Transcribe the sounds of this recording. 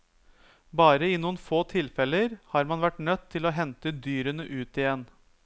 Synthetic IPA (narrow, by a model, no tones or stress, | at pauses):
bɑːɾəɪnuːənfoːt̪ʰɪlfɛləɾhɑːɾmɑnʋæʈnœt̪ʰːɪlɔɦɛnt̪əd̪yːɾənəʔʉːt̪ɪjɛnː